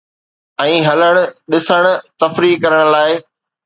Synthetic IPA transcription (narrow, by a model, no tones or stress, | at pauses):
ɛ̃ːɦɐləɽ̃ʊ̆ɗɪsəɽ̃̆t̪ɐfɾiːkɐɾəɽ̃ʊlaːɪ